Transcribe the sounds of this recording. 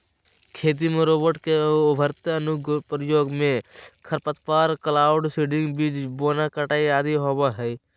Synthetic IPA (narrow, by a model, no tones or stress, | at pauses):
kʰeːt̪̬imẽɾoːbəɾʈkeʊbʱəɾt̪əənʊɡʱpɾəjoːɡmẽkʰəɾpət̪paːɾkəlaːʊɖsiːɖɪ̃ŋɡbiːd͡ʒboːnakəʈaːiaːd̪iɦoːbaɦɛi